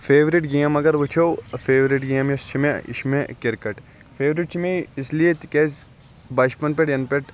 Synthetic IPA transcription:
fʰeːʋɾɪʈɡeːɐmɐɡɐɾʋut͡ʃʰowfeːʋɾɪʈɡeːmest͡ʃʰimeɪ̰ʃmekɪɾkɐʈ | feːʋɾɪʈt͡ʃʰimẽiɪsliet̪ikeːz | baːʃpɐnpeʈjɐnpeʈ

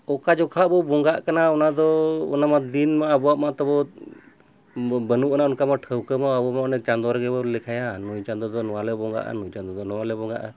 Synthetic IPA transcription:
ɔkad͡ʒɔkʰaʔbɔbɔŋɡaʔkanaɔnad̪ɔɔ̰namad̪inmaːbɔaʔmat̪ɔbɔ | bənuʔɔnaunkamaʈʰəwkəmaabɔamanɛt͡ʃand̪ɔɾɛɡɛbɔlɛkʰajanujt͡ʃand̪ɔd̪ɔnɔwalɛbɔŋɡa̰ʔa̰nujt͡ʃand̪ɔd̪ɔnɔwalɛbɔŋɡa̰ʔa

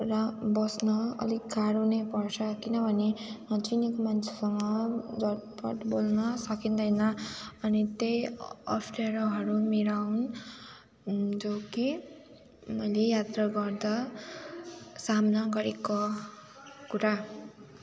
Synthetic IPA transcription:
rʌbʌsnʌʌ̰liɡɡaɽonʌjpʌrt͡sʰʌkinʌbʱʌnet͡sinikomant͡sʰe̥sʌŋʌd͡zʌpʌ̰ʈbolnʌsʌkind̪ʌjnʌʌnit̪ejʌ̰pʰʈeɾʌɦʌɾumiɾawn | d͡zoki | mʌjlejat̪rʌɡʌrd̪a | samnʌɡʌɾeko | kuɾa

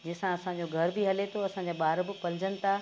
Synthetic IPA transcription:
d͡ʑɐːsãɐsãɲ̆d͡ʑoɡʱɐɾbɪɦɐlet̪ʰoɐsãːɲd͡ʑaɓaːɾbɪ̆pɐlɪd͡ʑənɪ̆t̪ʰa

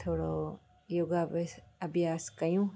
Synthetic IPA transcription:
t̪ʰoːɽo | joːɡaɐbʱjaːskəjũː

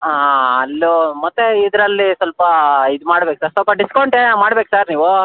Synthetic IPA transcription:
aɐlːomɐt̪ːeid̪ɾɐlːisɐlpɐid̪umaːɽbeːk̚saːɾsɐlpɐɖiskɐwɳʈeːmaːɽbeːksaːɾniːʋu

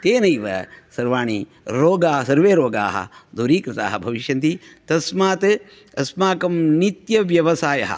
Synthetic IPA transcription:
t̪eːnɐiʋɐ̰sɐɾʋaːɳ̃i | ɾoːɡaːɦɐsɐɾʋeːɾoːɡa̰ːɦɐ̰d̪uɾiːkɾɪt̪a̰ːɦɐbʱɐʋiʃjɐnt̪it̪ɐsmaːt̪ɨ | ɐsmaːkɐmnit̪jɐʋjɐʋɐsaːjɐ̰ɦɐ̰

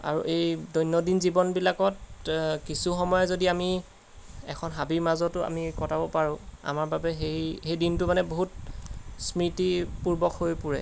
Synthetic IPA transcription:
a̰ɹṵʔejdɔjnːɔdinzibɔnbilakɔtkisuxɔmɔjɔzodiami | ɛ̰kʰɔnɦabimazɔtʊa̰mikɔtʰabɔpaɹʊ̃a̰maɹbabɛɦejxejdintʊmanɛboɦut̚smitipuɹbɔkhojpuɹɛ̰

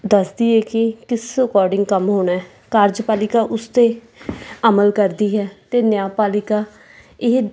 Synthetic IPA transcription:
d̪əsd̪iːɛːkɪkɪsəkɔːɾɖɪŋɡkəmɦoːnaːɦɛː | kaːɾd͡ʒpaːlɪkaːʔʊst̪eː | əməlkəɾd̪iːɦɛːt̪eːnɪjaːpaːlɪkaː | ɪɦ

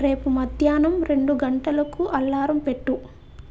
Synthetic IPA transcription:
ɾe̞ːpumɐd̪ʱjaːnɐmɾe̞ɳɖuɡɐɳʈɐlɐkuʔɐlːaːɾɐmpeʈːu

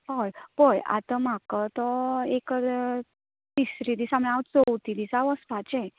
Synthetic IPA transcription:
ɦəjpəja̰t̪əm̤akət̪ɔek | d̪isɾid̪isamɭ̃aət͡sowt̪id̪isaʋəspat͡ɕe

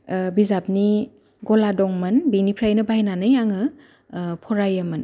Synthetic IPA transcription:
bizap̚ni | ɡɔladɔŋmɐnbinipʰɾajnɯbajnanɯjaŋɯ | pʰɔɾajəmɯn

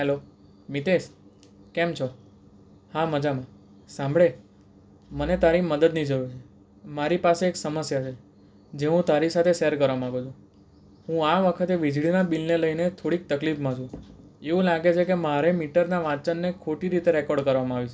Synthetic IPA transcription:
ɦɛlo | mit̪eʃ | kɛmt͡ʃʰɔ | haməd͡ʒamã | sãmbʱɭe | mənet̪aɾiməd̪əd̪nid͡ʒəʋet͡ʃʰe | maɾipaseːksəməsjat͡ʃʰe | d͡ʒeɦũt̪aɾisat̪ʰesɛəɾkəɾʋamaɡut͡ʃʰũ | ɦũaʋəkʰət̪eʋid͡ʒɭinabilneləinet̪ʰoɽik̚t̪əklifmãt͡ʃʰũ | eũlaɡet͡ʃʰekemaɾemiʈəɾnaʋãt͡ʃənːekʰoʈiɾit̪eɾɛkɔɾɖkəɾʋamãaʋit͡ʃʰ

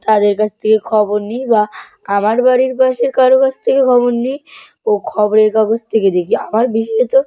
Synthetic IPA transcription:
t̪ad̪eɾkat͡ɕʰt̪ʰekekʰɔboɾnijba | amaɾbaɾiɾpaʃeɾkaɾokat͡ɕʰt̪ʰekekʰɔboɾnij | okʰɔboɾeɾkaɡod͡ʑt̪ʰeked̪ekʰiamaɾbiʃɔet̪o

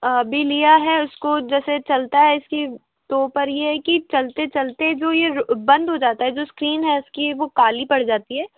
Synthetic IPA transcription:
bʱilijaɦɛʊskod͡ʒɛːset͡ʃɐlt̪aɦɛɪski | t̪oːpɐɾjeɦɛkit͡ʃɐlt̪et͡ʃɐlt̪eɛ̃d͡ʒoːjeɾbɐ̃nd̪ɦod͡ʒaːt̪aɦɛd͡ʒoːskɾiːnɦɛʊskiʋokaːlipɐɽ̤d͡ʒaːt̪iɦɛː

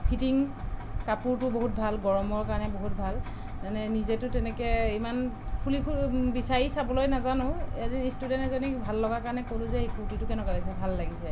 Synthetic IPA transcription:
pʰitiŋkapuɹtʊboɦut̚bʱalɡɔɹɔmɔɹkaɔnɛboɦut̚bʱal | zanɛnizɛtʊtɛnɛkɛimanpʰulikʰubisaɹisabɔlojnazanʊ̃edinistudɛntɛzɔnibʱalːɔɡakaɹnɛkolʊzɛekutitʊkɛnɔkalis̬ɛbʱalːaɡisɛ

